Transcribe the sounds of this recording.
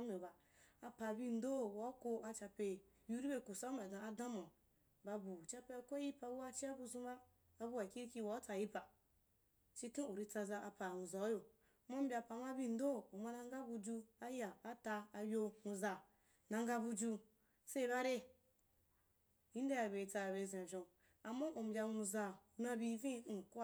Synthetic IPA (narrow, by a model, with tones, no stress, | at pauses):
me˨ba˨ | a˨pa˨bi˦n̩˦do˦˨wa˨˦ko˧a˧t͡ʃa˧pe˧˨ | ju˦ɾi˦be˦˨ku˨sa˦ma˨dã˨a˨dã˦ma˨ | ba˧bu˨t͡ʃa˦pe˦a˨ko˦ji˦pa˨bu˦a˦t͡ʃi˦a˦bu˧zu˦maː˦˨ | bu˦a˨kʲi˦ɾi˦kʲi˦wa˨˦t͡sa˧ji˦pa˨ | t͡ʃi˦tũ˦u˨ɾi˧t͡sa˧za˧ʔa˨pa˨nu˨za˨˦jo˨˦ | ma˦m̩˦bʲa˧˨pa˨˦ma˦bi˦n̩˦do˦˨u˨ma˧na˧ŋɡa˦bu˧d͡ʒu˧a˦ja˨a˨ta˧a˧jo˧mu˧za˧ | nã˧ŋɡa˧bu˧d͡ʒu˧ | se˦i˨˦βa˦ɾe˦ | ji˦n˦da˦ja˨be˨t͡sa˧˨be˧˨zẽ˨ʒõ˨ | a˨ma˦ʔu˨m̩˨bʲa˧˦u˧za˧u˨na˧bi˧˦vĩ˦u˨k